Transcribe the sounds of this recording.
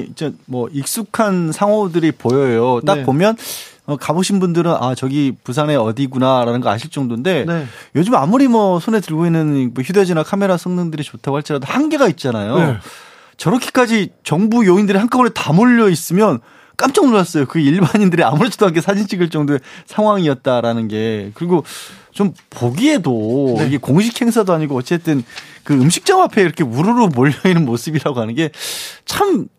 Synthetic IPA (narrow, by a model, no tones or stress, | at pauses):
id͡ʑemʌik̚s͈ukʰansʰaŋɦodɯɾipojʌjot͈ak̚pomjʌnʌkaboɕʰinbundɯɾɯnʔa̰t͡ɕʌɡipusʰane̞ʌdiɡunaɾanɯnŋɡʌa̰ɕʰiɭt͡ɕ͈ʌŋdonde̞njʌd͡ʑɯmamuɾimwʌsʰone̞tɯɭɡoinːɯnoçjuded͡ʑinakʰame̞ɾasʰʌŋnɯŋdɯɾit͡ɕotʰaɡohʰaɭt͡ɕ͈ʰiɾadohaŋɡe̞ɡait̚t͡ɕ͈anajo | t͡ɕʌɾʌkʰi̥k͈ad͡ʑit͡ɕʌŋbujoindɯɾihaŋk͈ʰaonetamoʎːʌis͈ɯmjʌn | k͈amt͡ɕ͈ʌŋnoɭas͈ʌjokɯiɭbaɲindɯɾiamuɾesʰi̥doakʰesʰad͡ʑinɕʰiɡɯɭt͡ɕ͈ʌŋdoe̞sʰaŋɦwaŋiʌt̚t͈aɾanɯnɡe̞kɯɾiɡot͡ɕompoɡie̞doiɡekoŋɕ̬ʰikʰhe̞ŋsʰadoaɲiɡoʌt͡ɕ͈e̞t͈ɯnkɯɯmɕʰi̥k̚t͡ɕ͈ʌŋapʰe̞iɾʌkʰe̞uɾuɾomoʎːʌinɯnmos͈ʰɯbiɾaɡoɦhanɯnɡe̞t͡ɕʰam